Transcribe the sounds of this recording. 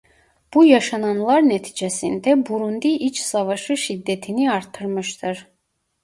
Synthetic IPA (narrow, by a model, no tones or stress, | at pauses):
b̥ujɑʃɑnɑnlˠɑɾnɛt̪ʰi̥d͡ʒɛsḭnd̪ɛbuɾund̪iʔit͡ʃʰsɑvɑʃɯʃid̪ːɛt̪ʰiniɑɾt̪ʰɯɾmɯʃt̪ʰɯɾ